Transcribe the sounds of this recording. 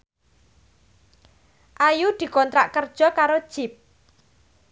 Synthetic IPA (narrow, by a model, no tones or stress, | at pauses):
ʔajud̪̥i̤kɔnt̪ɾa̰ʔkərd̥ʒ̥ɔ̤kaɾod̥ʒ̥ɪp̚